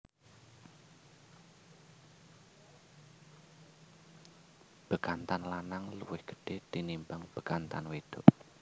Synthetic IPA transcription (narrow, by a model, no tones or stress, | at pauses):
b̥əkant̪anlanaŋluwɪhɡ̥ə̥ɖ̥ehd̪̥inimbaŋb̥ə̤̥kant̪a̰nweɖ̥ɔʔ